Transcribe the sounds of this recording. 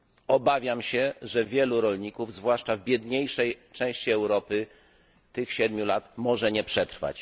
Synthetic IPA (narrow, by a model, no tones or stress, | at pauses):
ɔbavʲjamɕɛʐɛvʲjɛluɾɔlɲikuvzvwaʂt͡ʂavbʲjɛd̪ɲejʂɛjt͡ʂɛ̃w̃ɕt͡ɕiɛwɾɔpɘ | t̪ɘxɕɛd̪mʲjulat̪mɔʐɛɲɛpʂɛt̪ɾfa̰t͡ɕ